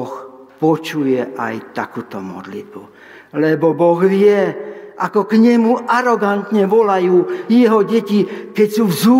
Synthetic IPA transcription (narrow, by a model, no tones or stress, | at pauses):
xpɔt͡ʃujɛʔa̰jt̪akuːt̪ɔmɔ̰d̪lḭd̪̚bu | lɛbɔbɔɣʋɪɛʔakɔkɲɛmuʔaɾɔɡant̪ɲɛʋɔlajuːjɛɦɔɟɛcikɛcsuːvzuː